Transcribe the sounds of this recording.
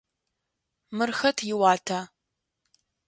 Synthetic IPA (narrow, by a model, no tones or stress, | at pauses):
mɨrxɐtʰjɪwaːtʰaː